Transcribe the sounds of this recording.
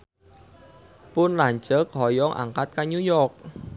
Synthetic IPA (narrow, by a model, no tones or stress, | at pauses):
pʊnlaɲd͡ʒək̚hɔjɔŋʔa̰ŋkat̪̚kaɲujɔrk̚